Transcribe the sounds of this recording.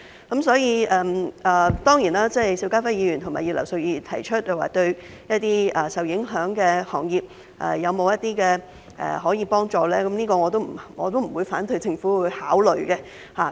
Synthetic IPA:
kɐ˨˥msɔː˨˥jiː˨˧ʔɛː˨˩mɛː˨˩t̪ɔː˥ŋjiː˨˩naː˥t͡sɛː˥˩jsi˧wkaː˥fɐ˥jiː˨˧jyː˨˩nt̪ʰmaː˨˩jiː˨˧t̚lɐ̰˨˩wsɵ˧wjiː˧t̪ʰɐ˨˩jt͡ʃʰɵ˥t̚jɐ˨wa̰ː˨˩t̪ɵ˧ɥ | jɐ˥t̚t̪iː˥ɛː˨˩sɐ˨˩wjɪ˨˧˥ŋɦœː˨˥ŋkɛː˧hɔː˨˩ŋjiː˨p̚ | ʔɛ̰ː˨jɐ˨˧wmo˨˧wjɐ˥t̪̚iː˥kɛ˧ | ʔɛ̰ː˨ɦɔː˨˥jiː˨˧pɔː˥ŋt͡sɔː˨˧lɛː˥kɐ˨˦mniː˥kɔː˧ŋɔː˨˧t̪o˥wm̩˨˩ŋɔː˨˧t̪o˥wm̩˨˩wuː˨˧jfaː˨˥nt̪ʰɵ˨˧ɥt͡sɪ˧ŋfuː˨˥wʊ˨˧jhaː˨˥wlɵ˨ɥkɛ˧ | haː˨˩

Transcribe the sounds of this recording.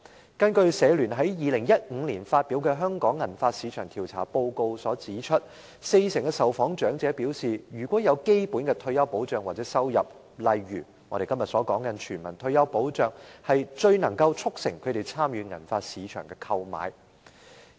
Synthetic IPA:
kɐ˧nkɵ˧ɥsɛː˨˧lyː˨˩nɦɐ˨˥jjiː˨˧lɪ˨˩ŋjɐ˥t̚ŋ̩˨˧liː˨˩nfaː˧t̚piː˨˥wkɛː˧ɦœː˥ŋkɔː˨˥ŋːɐ˨˩nfaː˧t̚siː˨˧t͡ʃʰœː˨˩ŋt̪ʰi˨˩wt͡sʰaː˨˩po˧wko˧wsɔː˨˥t͡siː˨˥t͡ʃʰɵ˥t̚ | se˧jsɪ˨˩ŋkɛ˧sɐ˨˩wfɔː˨˥ŋt͡ʃœː˨˥ŋt͡sɛː˨˥piː˨˥wsiː˨˩jyː˨˩kʷɔː˨˥jɐ˨˧wke˥jpu˨˥nkɛː˧t̪ʰɵ˧ɥjɐ˥wpo˨˥wt͡ʃœː˨ŋwaː˨˩t͡sɛː˨˥sɐ˥wjɐ̰˨p̚ | lɐ˨jɥyː˨˩ | ŋɔː˨˧ɾe˨jkɐ˥mjɐ˨t̚sɔː˨˥kɔː˨˥ŋkɐ˨˧nt͡ʃʰyː˨˩nmɐ˨˩nt̪ʰɵ˧ɥjɐ˥wpo˨˥wt͡ʃœː˨˩ŋhɐ˨jt͡ʃɵ˧ɥnɐ˨˩ŋkɐ˧wt͡ʃʰʊ˥k̚sɪ̰˨˩ŋkʰɵ˨˧ɥt̪e˨˩jt͡sʰaː˥mjyː˨˧ŋɐ̰˨˩nfaː˧t̚siː˨˧t͡ʃʰœː˨˩ŋkɛː˧kʰɐ˧wma̰ː˨˥j

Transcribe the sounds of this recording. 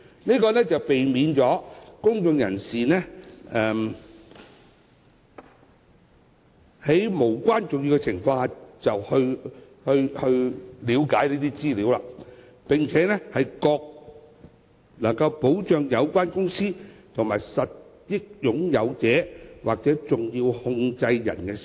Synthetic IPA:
niː˥kɔː˧nɛ˥t͡sɐ˨wpe˨jmiː˨˧nt͡sɔː˨˥kʊ˥ŋt͡sʊ˧ŋjɐ˨˩nsiː˨nɛː˥ʔɛː˨m | he˨˥jmo˨˩wkʷaː˥nt͡sʊ˨ŋjiː˧wkɛ˧t͡sʰɪ˨˩ŋfɔː˧ŋaː˧t͡sɐ˨whɵ˧ɥ | hɵ˧ɥhɵ˧ɥliː˨˥wkaː˨˥jniː˥t̪iː˥t͡siː˥liː˨˥wla̰ː˧ | pɪ˨˩ŋt͡sʰɛː˨˥nɛː˥hɐ˨jkɔː˧k̚ | lɐ˨˩ŋkɐ˧wpo˨˥wt͡ʃœː˨˧ŋjɐ˨˧wkʷaː˥nkʊ˥ŋsiː˥t̪ʰʊ˨˩ŋmaː˨˩jsɐ˨t̚ | jɪ˥k̚jʊ˨˥ŋjɐ˨˧wt͡sɛː˨˥waː˨k̚t͡sɛː˨˥t͡sʊ˨ŋjiː˧whʊ˧ŋt͡sɐ˧jːɐ̰˨˩nkɛ˧s

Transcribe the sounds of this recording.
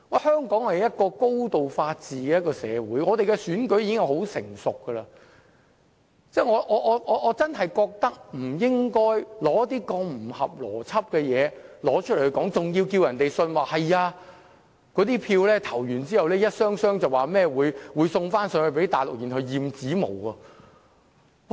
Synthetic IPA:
ŋɔ˨˧hœː˥ŋkɔː˨˥ŋhɐ˨jɐ˥t̚kɔː˧ko˥wt̪o˨wfaː˧t̚t͡siː˨kɛː˧jɐ˥kːɔː˧sɛː˨˧wuː˨˥jŋɔː˨˧t̪e˨jkɛ˧syː˨˥nkɵ˨˥ɥjiː˧kɪ˥ŋjɐ˨˧who˨˥wsɪ̰˨˩ŋsʊ˨kːə˧lɐː˧ | t͡sɛː˥˩ŋɔː˨˧ʔɔː˨˧ʔɔː˨˧ʔɔː˨˧ʔɔː˨˧t͡sɐ˥nɦɐ˨jkɔː˧k̚t̪ɐ˥k̚m̩˨˩jɪ˥ŋkɔː˥jlɔː˨˥ɐ˥t̪iː˥kɔː˧ŋm̩˨˩hɐ˨p̚lɔ̰ː˨˩t͡sʰɐ˥p̚kɛː˧jɛː˨˧lɔː˨˥t͡ʃʰlhɵ˧˥kɔː˨˥ŋt͡sʊ˨ŋjiː˧wkiː˧wjɐ˨˩nt̪e˨jsɵ˧nwaː˨˩hɐ˨jaː˧ | kɔː˨˥t̪iː˥pʰiː˧wlɛː˥t̪ʰɐ˨˩wjyː˨˩nt͡siː˥hɐ˨wlɛː˥jɐ˥t̚sœː˥ŋsœː˥ŋt͡sɐ˨waː˨˩mɛː˥wuː˨˧jwuː˨˧jsʊ˧ŋfaː˥nsœː˨˥ŋɵ˨˧pe˨˥jt̪aː˨jlʊ˨k̚jiː˨nɦɐ˧wjiː˨mt͡siː˨˥mo̰˨˩wɐ˧˩

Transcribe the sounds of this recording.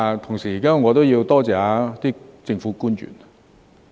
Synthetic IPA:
t̪ʰʊ˨˩ŋsiː˨˩iː˨˩kaː˥wŋɔː˨˧t̪o˥wji˧wt̪ɔː˥t͡sɛː˨aː˨˧˥t̪iː˥t͡sɪ˧ŋfuː˨˥kuː˥njy̰˨˩n

